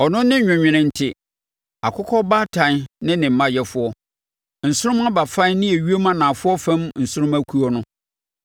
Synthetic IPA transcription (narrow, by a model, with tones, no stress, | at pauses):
ɔ˨nʊ̃˦nːɪ̃˦ɲᶣɪ̃˨ɲᶣɪ̃˨nɪ̃˦n̩˦tʰɪ˦ | a̰˨kʰʊ˦kʰɔ˦ba˦tʰã˨n˦nɪ̃˦nɪ̃˨m̩˨˦mã˦jɛ˦fʊ˦ɔ˦ | n̩˨sʊ˦ɾʊ˦ma˦ba˨fã˦nɪ̃˦æ˨ɥi˦e˦mã˦nã˨fʊ˦ɔ˦fã˦mn̩˨sʊ˦ɾʊ̃˦mæ˦kʰu˦ɔ˦nʊ̃˦